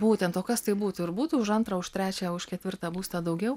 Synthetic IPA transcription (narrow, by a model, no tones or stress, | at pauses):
buːt̪ʲɛnt̪oːkɐst̪ɐɪbuːt̪ʊɪɾbuːt̪uːʊʃɐnt̪ɾɐʊʃt̪ʲɾʲæːt͡ʃʲɛʊʃkʲɛt̪ʲʋʲɪɾt̪ɑːbuːst̪ɐd̪ɐʊɡʲɛʊ